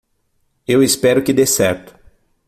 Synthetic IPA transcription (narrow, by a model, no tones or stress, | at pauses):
ewɪspɛɾʊkɪd̪esɛɾt̪ʊ̥